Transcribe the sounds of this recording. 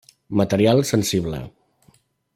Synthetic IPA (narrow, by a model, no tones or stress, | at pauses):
mət̪əɾialˠsənsiβlə̰